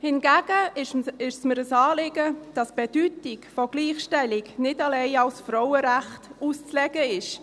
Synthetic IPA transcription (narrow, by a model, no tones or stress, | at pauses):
hɪnɡ̥æːɡ̥əɪʃsməɾəsɑːlɪɡəd̥ɑsb̥ed̥ytɪkfɔɡ̥liːχʃtɛlɪknɪtɑleɪɑlsfrɔwəɾæχtuːst͡slɛɡəɪʃ